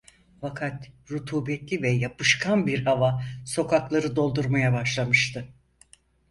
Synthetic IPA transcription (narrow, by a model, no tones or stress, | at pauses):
fakʰat̪ɾut̪ʰuːbɛt̪lʲivɛjapɯʃkʰanbiɾhavaso̞kʰaklˠaɾɯd̪o̞lˠd̪uɾmajabaʃlˠamɯʃt̪ʰɯ